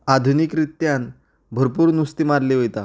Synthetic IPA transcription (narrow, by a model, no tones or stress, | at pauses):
ad̪ʱunikɾit̪jan | bʱəɾpuːɾnust̪imaɾleɦojt̪a̰